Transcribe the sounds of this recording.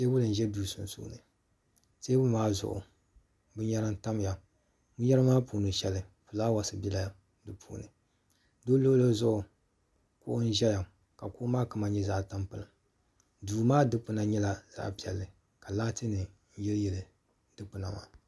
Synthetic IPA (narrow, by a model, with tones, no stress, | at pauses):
te˦bʊ˦lɨ˨n̩˨ʒɛ˦duː˨˦˨sʊ˨n˨sṵː˦˨nɨ˨ | te˦bʊ˦maː˦zʊ̰˨ʔʊ̰˨ | bɨ˦ɲɛ˦ɾa˦n̩˦ta˦m˦ja˨ | mu˦ɲɛ˦ɾɨ˦maː˦puː˨nɨ˨ʃɛ˦lɨ˨fu˨laː˦wa˦sɨ˨bi˦la˦˨ | dɨ˨pʰṵ˦˨nɨ˨ | doː˦lo˦lo˦zʊ˦ʔʊ˨ | kʊ˦ʔʊ˦n̩˦ʒɛ˦ja˨ | ka˨kʊ˦ʔʊ˦maː˦kɨ˦ma˨ɲɛ˦za˦ʔta˦mpɨ˨lɨ˨ | duː˨maː˦dɨ˦pɨ˨na˨ɲɛ˦la˨z̥a̰˦ʔpi˨ɛ̰˨lːɨ˨ | ka˨laː˦tɨ˦nɨ˨n̩˦jɛ˦ljɛ˨lɨ˨ | dɨ˦k͡pɨ˨na˨ma̰ː˨